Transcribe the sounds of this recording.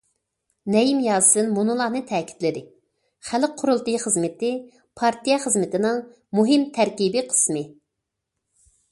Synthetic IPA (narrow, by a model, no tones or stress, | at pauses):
nɛjimjɑːsɨnmunɨlˠɑnɨt̪ʰɛːkʲʰi̥t̪lɪd̪ɪ | χæl̚qʰːʊɾulˠt̪ɨχəzmɪt̪ɪ | pʰɑɾt̪ijɑχəzmɪt̪ɪnɨŋ | muɦɪmt̪ʰæɾkʲibɪqʰə̥smɨ